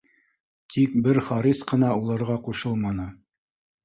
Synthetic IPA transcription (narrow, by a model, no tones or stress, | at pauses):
t̪ʰik̚bɘɾχɑɾisqɤ̆nɑulˠɑɾʁɑquʃɤlˠmɑnɤ